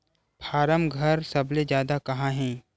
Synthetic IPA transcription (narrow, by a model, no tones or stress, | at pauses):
pʰaːɾəmɡʱɐɾsɐbled͡ʒjaːd̪akɐɦãɦɛ̃ː